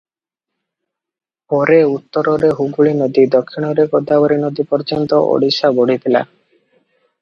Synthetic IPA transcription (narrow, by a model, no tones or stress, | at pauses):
pɔɾeut̪ːɔɾɔɾeɦuɡuɭinod̪id̪ɔkʰːiɽ̃ɔɾekod̪abɔɾinod̪ipɔɾd͡ʒɔnt̪ɔ̰ʔo̰ɽisaboɽ̤it̪ʰila̰